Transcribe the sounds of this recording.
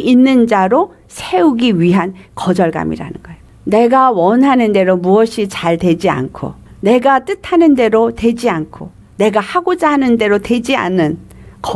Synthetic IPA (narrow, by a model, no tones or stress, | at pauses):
inːɯnd͡ʑaɾo | sʰe̞uɡiɥiɦankʌd͡ʑʌɭɡa̰mḭɾa̰nɯnɡ̥ʌejoone̞ɡawʌnɦanɯnde̞ɾomuʌɕʰit͡ɕaɭtwe̞d͡ʑia̰nkʰo̰ne̞ɡat͈ɯtʰanɯnde̞ɾote̞d͡ʑiankʰo | ne̞ɡahaɡod͡ʑaɦanɯnde̞ɾote̞d͡ʑia̰nɯn | kʌ